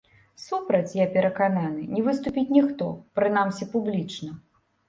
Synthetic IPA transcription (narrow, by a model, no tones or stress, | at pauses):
supɾɐt͡sʲjapʲɛɾɐkananɨnʲɛvɨst̪upʲit͡sʲnʲixt̪ɔ̰pɾɨnamsʲɛpublʲit͡ʂnɐ